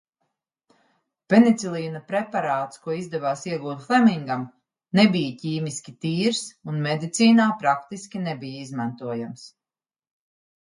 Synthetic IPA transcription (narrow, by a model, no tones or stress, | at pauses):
penit̪silˠiːnapɾepaɾaːt̪skuɔizd̪ɛvaːsiɛɡuːt̪flˠɛmiŋɡam | nebijaciːmiskʲit̪iːɾsunmed̪it̪siːnaːpɾakt̪iskʲinebijaizmant̪uɔjams